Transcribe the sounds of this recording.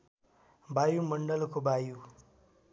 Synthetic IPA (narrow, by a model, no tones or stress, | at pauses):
bʱaːjuməɳɖəlkobʱaːjuː